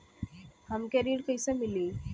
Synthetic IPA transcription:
hamkɛɾiːɽkəjsəmili

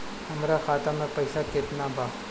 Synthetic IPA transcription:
həmɾaːxaːt̪aːmẽːpəɪsaːket̪naːbʱaː

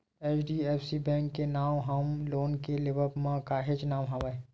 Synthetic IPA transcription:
eːt͡ʃɖiɛːpʰsibɛ̃ːŋkːenaːwɦɐmloːnkelɪʋəɾpmãkaːɦed͡ʒnaːmɦaʋae

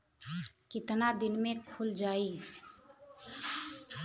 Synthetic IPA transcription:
kɪt̪nad̪ɪnmẽkʰʊld͡ʒaːiː

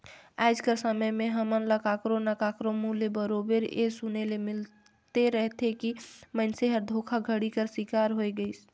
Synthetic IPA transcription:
ajd͡ʒkəɾsəməjmeɦəmənləkakɾonəkakɾomulebəɾobeɾḛsunelemil | t̪eɾəɦt̪ʰekimənseɦəɾd̪ʱokʰaɡʱəɽikəɾsikaɾɦojɡəɪs

